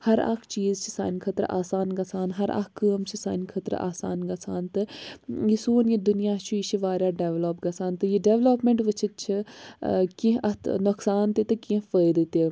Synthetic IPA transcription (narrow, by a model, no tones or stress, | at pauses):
hɐɾa̰kʰt͡ʃiːzt͡ʃʰi̥sa̰ːnkʰɐt̪ɾʔa̰ːsaːnɡɐsaːnɦɐɾa̰kkːəːmt͡ʃʰisaːnkʰɐt̪ɾa̰ːsa̰ːnɡɐsʰaːnt̪ɨjisuːnjid̪ʊnijaːt͡ʃʰuiʃiʋaːɾʲjaːɖeːʋloːpɡɐsaːnt̪ɨjiɖeːʋloːpmeɳʈʋɨt͡ʃʰit̪̚t͡ʃʰi | kĩɦɐt̪ʰnɐksaːnt̪et̪ɨkĩfəːjd̪ɨt̪eː